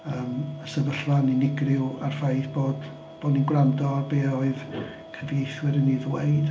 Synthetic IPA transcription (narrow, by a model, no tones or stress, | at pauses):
əːməsəvəɬaninɪɡrɪwarfajθb̥oːd | b̥oːdninɡwrandɔarbeːɔɨð | kʰəviɡejθwɪɾəniðweɨd̥